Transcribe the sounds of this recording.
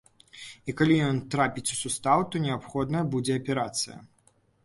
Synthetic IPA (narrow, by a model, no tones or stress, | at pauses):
ikalʲijɔnt̪ɾapʲit͡sʲu̥sust̪awt̪ɔnʲɛapxɔd̪nɐjɐbud͡zʲɛɐpʲɛɾat̪sɨjɐ̰